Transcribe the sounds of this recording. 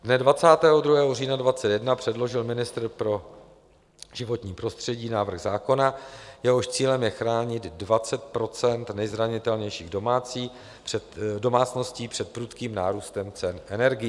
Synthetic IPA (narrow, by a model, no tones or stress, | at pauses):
dnɛdvat͡saːt̪ɛːɦo̞dɾuɦɛːɦoriːnadvat͡sɛt̪jɛdnapr̝̥ɛdlo̞ʒɪlmɪnɪst̪ɾ̩pɾo̞ | ʒ̥ɪvo̞t̪ɲiːpɾo̞st̪r̝̥ɛɟiːnaːvr̩ɣzaːko̞najɛɦo̞ʃt͡siːlɛmjɛxɾaːɲɪd̪dvat͡sɛt̪̚pɾo̞t͡sɛnt̪nɛjzɾaɲɪt̪ɛlɲɛjʃiːɣdo̞maːt͡siː | ɛdo̞maːt͡sno̞sciːpr̥ɛt̪̚pɾut̪kiːmna̰ːɾuːst̪ɛmt͡sɛnʔɛnɛɾɡɪj